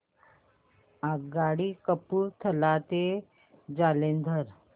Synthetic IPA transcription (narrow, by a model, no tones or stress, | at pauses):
aɡaɽiːkəpuːɾt̪ʰəlat̪e | d͡zalend̪ʱəɾ